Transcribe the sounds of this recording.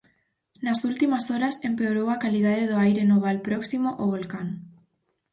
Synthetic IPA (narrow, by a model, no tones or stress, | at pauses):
nasult̪imasɔɾɐsempeoɾowakalið̞aðeðoajɾenoβ̞alpɾɔksimoʔoβ̞olkaŋ